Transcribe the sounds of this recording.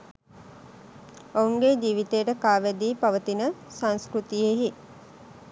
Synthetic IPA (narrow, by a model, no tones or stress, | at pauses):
ouŋɡed͡ʒiːʋit̪ejəʈəkaːʋæd̪iːpaʋət̪inəsanskɾut̪ijeɦi